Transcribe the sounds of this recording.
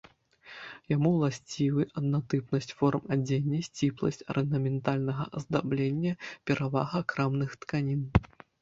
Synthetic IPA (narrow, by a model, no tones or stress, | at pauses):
jamuwlˠasʲt͡sʲivɨʔɐd̪̚nat̪ɨpnɐsʲt͡sʲfɔrmad͡zʲenʲːɐsʲt͡sʲiplˠɐ̰sʲt͡sʲɐ̰ɾʔɛnd̪ɐmʲɛnt̪alʲnɐɣɐ̰ɐzd̪ablʲenʲːɐpʲɛɾʔava̰ɣɐkɾamnɨxt̪kanʲin